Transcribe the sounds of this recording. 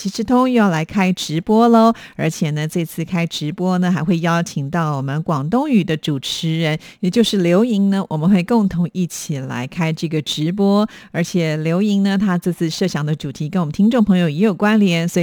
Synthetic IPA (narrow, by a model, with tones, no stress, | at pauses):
t͡ɕʰi˧˥ʂɻ̩˧˥t̪ʰʊ˥ŋy˧jɑ˥˩ʊla˧˥ɪkʰa˥ɪʈ͡ʂɻ̩˧˥pwɔ˥lə˧ə˞˧˥t͡ɕʰjɛ˨˩nə˦t͡sɤ˥˧t͡sʰɹ̩˥˩kʰa˥ɪʈ͡ʂɻ̩˧˥pwɔ˥nə˨˧xa˧˥ɪxwe˥˩ɪjɑ˥ʊt͡ɕʰi˨˩ŋt̪ɑ˥˩ʊwɔ˨˩mə˦nkwɑ˨˩ŋt̪ʊ˥ŋy˨˩d̪ə˦ʈ͡ʂu˨˩ʈ͡ʂʰɻ̩˧˥ɻə˧˥n | jɛ˨˩t͡ɕjo˥˧ʊʂɻ̩˥˩ljo˧˥ʊi˧˥ŋnə˧wʔɔ˨˩mə˧˦nxwe˥˧ɪkʊ˥˩ŋt̪ʰʊ˧˥ŋi˥˩t͡ɕʰi˨˩la̰˧˥ɪkʰa˥ɪʈ͡ʂɤ˥˩ɡə˩ʈ͡ʂɻ̩˧˥p̬wɔ˥ | ə˞˧˥t͡ɕʰjɛ˨˩ljo˧˥ʊi˧˥ŋnə˧t̪ʰa˥t͡sɹ̩˥˧t͡sʰɹ̩˥˩ʂɤ˥˩ɕjɑ˧˩ŋd̪ə˧ʈ͡ʂu˨˩t̪ʰi˧˥kə˥nwɔ˨˩mə˦nt̪ʰi˥ŋʈ͡ʂo˥˩ŋpʰɤ˧˥ŋjo˨ʊjɛ˧˥jo˨˩ʊkwa˥nljɛ˧˥nswɔ˧˥i˨˩